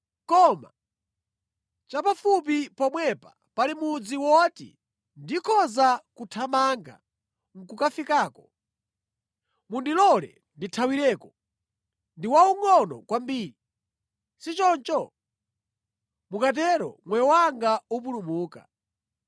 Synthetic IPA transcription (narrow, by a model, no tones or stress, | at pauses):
kɔma̰ | t͡ʃapafup̬ipɔmwɛpa̰ | palimud͡ziwɔtḭ | ndikʰɔzakutʰamaŋɡa̰ | ŋ̩kukafikaːkɔ | mundilɔlɛ̰ | nditʰawiɾɛːkɔ | ndiwauŋɔnɔ̰kwambiːɾi | sit͡ʃɔnt͡ʃɔ | mukat̬ɛɾɔ̰mwɛjɔwaŋɡaup̬ulumuːka̰